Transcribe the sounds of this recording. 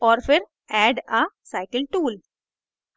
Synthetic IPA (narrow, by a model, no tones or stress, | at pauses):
ɔːɾfɪɾ | ɛːɖasaːɪkəlʈuːl